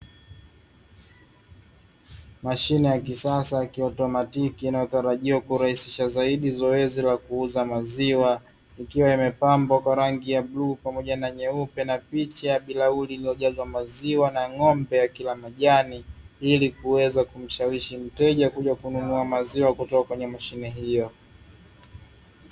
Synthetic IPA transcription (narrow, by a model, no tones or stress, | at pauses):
maʃinɛjakisasajakiɔtɔmatikiːnajɔtaɾaʄiwakuɾahisiʃazaiɗizɔɛzilakuuzamaziwa | ikiwaimɛpambɔkwaɾaŋɡijablupamɔʄanaɲɛupɛnapit͡ʃajaɓilaulilijɔʄazwamaziwanaŋɔmbɛjakilamaʄaniilikuwɛzakum̩ʃawiʃim̩tɛʄakuʄakununuamaziwakutɔkakwɛɲɛmaʃinɛɦijɔ